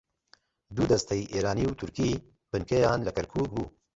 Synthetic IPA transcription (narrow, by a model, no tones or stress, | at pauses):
d̪uːd̪ɐst̪ʰɛjʔeːɾaːniːwt̪ʰʊɾkiː | b̥ɨnkʰejaːnlɨkɛɾkʰuːk̚buː